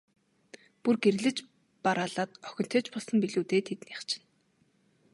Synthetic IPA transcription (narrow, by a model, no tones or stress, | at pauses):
purɡerɮɘ̆t͡ɕ | paɾaːɮaːt̪œxʲɪ̆n̥t̪ʰĕːt͡ɕpɔɮsɞ̆mpiɮuːt̪eːt̪ʰet̪niχt͡ɕʰɪ̥̆n